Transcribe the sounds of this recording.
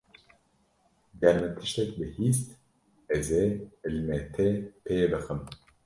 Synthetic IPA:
d̪ɛɾmɨt̪ʰɨ̥ʃt̪ɛkbɨhiːst̪ | ɛzeːɨlmɛt̪ʰepʰebɨxɨm

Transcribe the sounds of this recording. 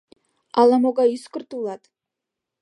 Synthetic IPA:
ɑlˠɑmoɡɑyskərt̪ulˠɑt̪

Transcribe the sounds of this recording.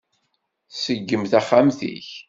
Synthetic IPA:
səɡːəmθæχːamθḭç

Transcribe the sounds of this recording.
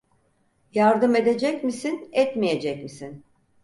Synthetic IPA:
jaɾd̪ɯme̞d̪e̞d͡ʒɛcmisinɛt̪mije̞d͡ʒɛcmisin

